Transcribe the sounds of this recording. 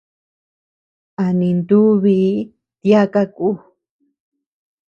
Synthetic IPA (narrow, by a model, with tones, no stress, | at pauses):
a˨nĩ˧nd̪u˦βi˧˦ | t̪ja˦ka˦ku˦